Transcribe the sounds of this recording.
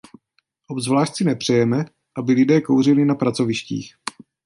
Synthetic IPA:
ʔobzvlaːʃt̪t͡sɪnɛpr̝̥ɛjɛmɛ | ʔabɪlɪdɛːkowr̝ɪlɪnapɾat͡so̞vɪʃcḭːx

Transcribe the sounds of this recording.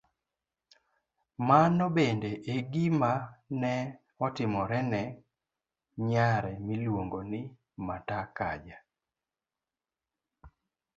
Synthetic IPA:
manɔbendeʔeɡimanɛ | ɔtɪmɔɾɛnɛ | ɲaɾɛmilwoŋɡonɪ | matakad͡ʒa

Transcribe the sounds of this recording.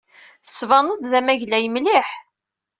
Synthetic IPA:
θə̥svɑnəd̪ˤðæmæʝlæjəmliħ

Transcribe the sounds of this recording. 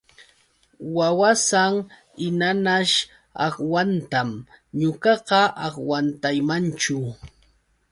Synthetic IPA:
wawasaŋ | ɪnanaʃ | ɑ̰χwant̪amɲʊkɑqɑʔɑχwant̪ajmant͡ʃʊ

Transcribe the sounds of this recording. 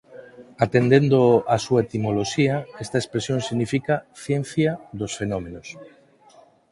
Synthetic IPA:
at̪end̪end̪oasuaet̪imoloʃiɐest̪ɐekspɾesjoŋsiɣnifikaθjen̟θjaðosfenɔmẽnos

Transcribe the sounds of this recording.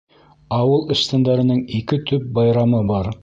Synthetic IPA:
ɑwɤlˠɤ̆ʃt̪ɤ̆nd̪ɑɾɤ̆nɤɴikɘt̪ʰɵp̚bɑjɾɑmɤbɑɾ

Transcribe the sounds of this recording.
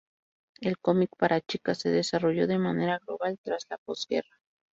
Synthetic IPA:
e̞lkomikpaɾʔat͡ʃikase̞ðesaro̞ʝo̞ðe̞mane̞ɾaɣloβalt̪ɾazlapo̞zɣe̞̰ra

